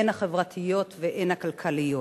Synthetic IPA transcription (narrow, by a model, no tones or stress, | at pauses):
enhaχevʁat̪ʰijo̞tveʔenhakalkʰalijo